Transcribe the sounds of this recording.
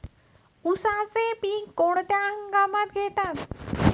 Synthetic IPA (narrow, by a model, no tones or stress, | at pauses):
usãt͡sẽpikoɽt̪jaɦəŋɡaːmat̪̚ɡʱeːt̪an